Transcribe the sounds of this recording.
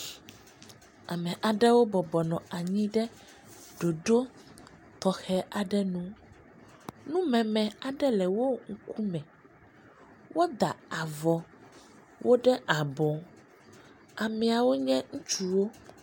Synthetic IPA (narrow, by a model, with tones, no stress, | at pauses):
a˨mɛ̃˨ʔa˨ɖɛ˦wo˦bɔ˨bɔ˨nɔ̃˨a˨ɲĩ˦ɖɛ˦ | ɖo˨ɖo˦ | t̪ɔ˨xɛ˦ʔa˨ɖɛ˦nũ˦ | nũ˦mɛ̃˨mɛ̃˨a˨ɖɛ˦lɛ˨wo˦ŋ̩˦ku˦mɛ̃˨ | wo˦d̪a˨a˨vɔ˨ | wʔo˦ɖɛ˦ʔa˨bɔ̃˨ | a˨mɛ̃˨a˨wo˦ɲɛ̃˦ŋũ˦t͡ʃu˦wo˦